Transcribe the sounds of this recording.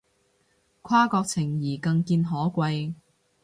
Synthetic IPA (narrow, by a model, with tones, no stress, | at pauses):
kʰaː˥kɔː˧k̚t͡sʰɪ˨˩ŋjiː˨˩kɐ˧ŋkiː˧nɦɔː˨˥kʷɐ˧j